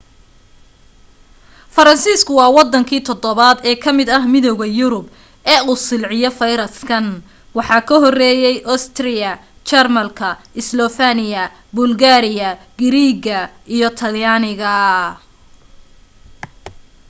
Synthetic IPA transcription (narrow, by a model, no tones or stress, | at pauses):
fɐɾɐnsiːskʰʊwɑːwɑd̪ːɐŋkʰiːt̪ʰɔd̪ɔβad̪ɛːkʰɐmɪd̪ɐɦmɪðɔwɣɐjʊɾʊb̚ | ɛːuːsɪlʕɪjɔfɐjɾɐskʰɐn | wɑħɑːkʰɐɦɔrɛːjɛjʔɔst̪ʰrɪjɐ | t͡ʃɛrmɐlkʰɐɪslɔfanɪjɐ | bʊlɡaːɾɪjɐ | ɡɪɾiːɡɐʔijɔt̪ʰɐljaːnɪɣɐ